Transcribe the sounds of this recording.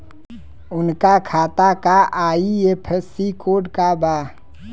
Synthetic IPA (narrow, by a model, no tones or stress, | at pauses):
ʊnkakʰaːt̪akaʔaːiepʰesikʰoːɖkabaː